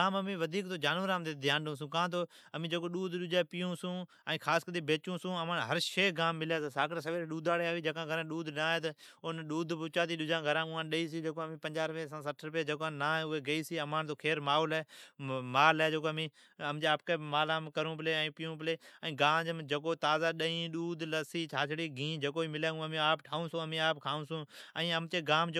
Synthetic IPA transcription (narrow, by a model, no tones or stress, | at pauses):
aːməmĩːʋəd̪ʱiːkt̪oːd͡ʒaːnʋəɾaːmt̪eːd̪ʱɪjaːnɗõːs̬ũːkãːt̪̬oː | əmĩːd͡ʒəkoːɗuːd̪ɗʊd͡ʒaːpɪjũːsũː | əːkʰaːskəd̪iːbeːt͡ʃũːsũːəmãːnɦəɾʃeːɡaːmːɪljaːsaːsaːkːsəʋeːɾeɗuːd̪ʱaːɽeːaːʋiːd͡ʒəkãːɡʱəɾãːɗuːd̪ʱnãːɦeːt̪əʊnɗuːd̪ʱpʊt͡ʃaːd̪iːɗʊd͡ʒãːɡʱəɾãːʊãːnɗəiːs̬iːd͡ʒeːkoːəmĩːpə̃ɲd͡ʒaːɾpeːsãːsəʈʰɾʊp̬jaːd͡ʒəːkaːnaːeːʊeːɡəiːsiːəmãːnt̪oːkʰeːɾmaːoːlɛːmaːlɛːd͡ʒokoːmĩː | əmd͡ʒeːaːp̚keːmaːlãːmkəɾũːpleːɛ̃ːpɪjũːpɪleːɛ̃ːɡaːd͡ʒmd͡ʒəkoːt̪aːzaːɗəĩːɗuːd̪ləsiːt͡ʃʰaːt͡ʃʰɽiːɡĩːd͡ʒəkoːiːmɪlãːɡũːəmĩːaːpʈʰaːũːsõːəmĩːaːpkʰaːũːsũːə̃ːəmt̪eːɡaːmd͡ʒ